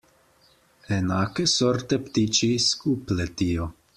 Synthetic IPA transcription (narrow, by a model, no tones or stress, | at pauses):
enakesoɾt̪ept̪it͡ʃiskuplet̪io